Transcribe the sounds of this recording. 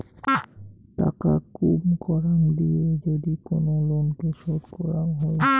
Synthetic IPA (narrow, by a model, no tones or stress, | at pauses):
ʈa̰ka̰kumkɔɾand̪ied͡ʑod̪ikonolonkeʃoɾkɔɾanɦoe